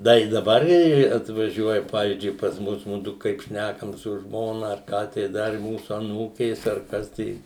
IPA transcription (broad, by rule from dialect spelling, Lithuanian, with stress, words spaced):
ˈdɐ ɪ dɐˈbɐr ɪ ɐtʋɐˈʒʲuɔjɛ ˈpɑːʋʲiːzʲd͡ʒʲʊɪ pɐs ˈmʊs ˈmʊdʊ kɐɪp ˈʃʲnʲækɐm sʊ ˈʒmoːnɐ ɐr ˈkɑː tɐɪ ˈdɐr ɪ ˈmuːsʊ ɐˈnuːkʲeːs ɐr ˈkɐs tɐɪ